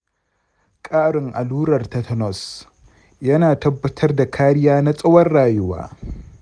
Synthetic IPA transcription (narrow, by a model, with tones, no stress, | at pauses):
kʼaː˦ɽɪ˨ŋʔa˨luː˦ɾɐ˨rtɐ˦tɐ˦nɔ˨s | jɐ˦naː˨tɐ˦bːɐ˦tʰɐ˦rda˨kʰaː˦ɽɪ˦jaː˦na˦sʼɐ˦wɐ˦rːaː˨jʊ˦wa̰ː˦